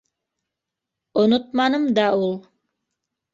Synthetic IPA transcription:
ŏnot̪̚mɑnɤmd̪ɑulˠ

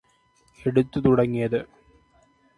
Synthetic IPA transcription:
eɽut̪ːut̪uɽɐŋːijɐðɨ

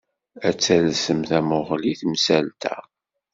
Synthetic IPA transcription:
æt͡sːælsəmθæmʊʁliθmsælt̪ʰæ̰

